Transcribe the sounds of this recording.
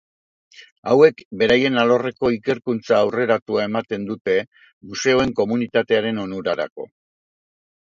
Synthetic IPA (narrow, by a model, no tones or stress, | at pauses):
awe̞kbe̞ɾaje̞nalo̞re̞ko̞ike̞ɾkunt͡saːwre̞ɾat̪uae̞mat̪e̞nd̪ut̪e̞ | muse̞o̞e̞ŋko̞munit̪at̪e̞aɾe̞no̞nuɾaɾa̰ko̞̰